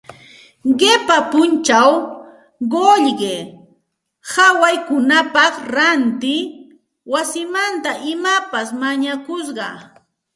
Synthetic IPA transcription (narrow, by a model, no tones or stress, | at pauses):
ɢepapʊnt͡ʃaw | ɢoʎɢe | hawajkʊnapɑχɾant̪ɪ | wasɪmant̪aʔɪmapasmaɲakʊsɢɑ